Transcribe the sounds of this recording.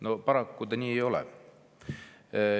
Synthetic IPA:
no̞pɑɾɑkːud̪ɑniːejo̞lɛ̰

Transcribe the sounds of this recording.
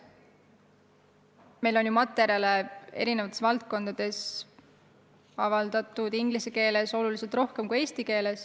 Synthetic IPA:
me̞jlo̞njumɑt̪ːˑe̞ɾjɑlee̞̰ɾine̞vɑt̪esvɑlt̪̚ko̞nd̪̥ɑd̪̥e̞s | ɑvɑld̪̥ɑt̪ːˑud̪̥iŋɡ̥liseke̞ːle̞so̞lulise̞lt̪ro̞hke̞mkue̞ːst̪ike̞ːle̞s

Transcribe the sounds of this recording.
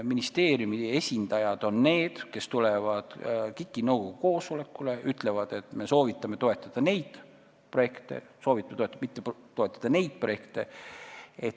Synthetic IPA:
minist̪e̞ːrjumie̞sʲind̪̥ɑjɑd̪̥o̞nːe̞ːd̪̥ke̞st̪ulevɑd̪̥kikːˑinɤwɡo̞ɡ̥uko̞ːsole̞kːˑule̞yt̪ˑle̞vɑd̪̥e̞t̪me̞so̞ːvit̪ˑːɑme̞t̪o̞e̞t̪ˑːɑd̪̥ɑne̞jd̪̥ | pro̞je̞kt̪e̞̰so̞ːvit̪ːˑɑmt̪oet̪ːmit̪ːet̪o̞e̞t̪ːˑɑ̥d̪̥ɑne̞jd̪̥̚pro̞je̞kt̪e̞ | et̪

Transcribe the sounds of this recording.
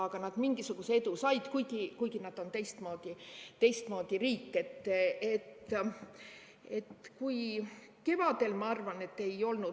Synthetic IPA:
ɑɡ̥ɑnɑd̪miŋɡ̥isuɡ̥usee̞d̪usɑjd̪̥kujɡ̥ikujɡ̥inɑd̪̥o̞nt̪e̞jst̪mo̞ːd̪̥it̪e̞jst̪mo̞ːd̪̥iriːkːˑe̞t̪ːe̞t̪ː | e̞t̪ːkuj | ke̞vɑd̪̥e̞lmɑɑrvɑne̞t̪ːe̞jo̞lnu

